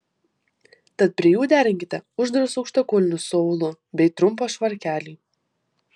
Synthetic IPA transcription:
t̪ɐt̪̚pʲɾʲiɛjuːd̪ʲæːɾʲɪŋʲkʲɪt̪ʲɛʊʒd̪ɾʊsɔʊkʃt̪ɐkoːlʲɪnʲusɔʊlˠʊ | bʲɛɪt̪ɾʊmp̬oːʃʋɐɾʲkʲæːlʲiː

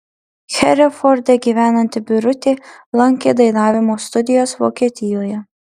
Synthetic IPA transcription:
xʲɛɾʲɪfɔɾd̪ʲeɡʲiːʋʲæːnɐnʲt̪ʲɪbʲʊɾʊt̪ʲeːlˠɐŋʲkʲeːd̪ɐɪnɑːʋʲɪmoːst̪ʊd̪ʲɪjoːsʋo̰ːkʲiɛt̪ʲɪjoːjɛ

